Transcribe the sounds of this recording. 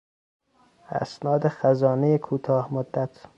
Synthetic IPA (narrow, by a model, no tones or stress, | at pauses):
æ̰snɒːd̪exæzɒːnejekʰuːt̪ʰɒːhmod̪ːæt̪ʰ